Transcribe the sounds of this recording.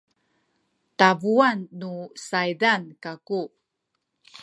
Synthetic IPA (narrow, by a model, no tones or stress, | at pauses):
tavuanːusajdankaku